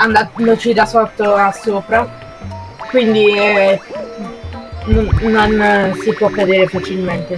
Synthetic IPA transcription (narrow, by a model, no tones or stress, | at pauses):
and̪and̪ot͡ʃid̪asɔt̪ːoasːoːpɾa | kwind̪iɛ | noːonsipwɔkːad̪eːɾefat͡ʃilment̪e